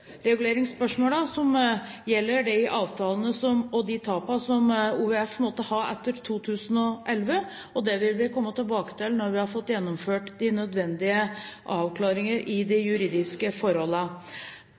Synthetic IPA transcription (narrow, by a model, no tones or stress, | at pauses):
ɾɛɡʉleːɾɪŋspœʂmoːlɑsɔmjɛlːəɖɛʔɑːʋt̪ʰɑːlənəsɔmɔd̪ɪt̪ʰɑːpɑsɔmuːʋɛɛfpʰnmoːt̪ːəhɑɾɛ̰t̪ːəɾt̪ʰuːt̪ʰʉːsənɔʔɛlʋə | ɔd̪ɛʋɪlʋɪkʰɔmːət̪ɪlbɑːkə̥t̪ʰɪlnɔɾʋɪhɑɾfɔt̪ːjɛnːɔmføːʈd̪ɪnœd̪ʋɛnd̪ɪəʔɑːʋkʰlɑːɾɪŋəɾʔɪd̪ɛjʉɾiːd̪ɪskəfɔɾhɔlːə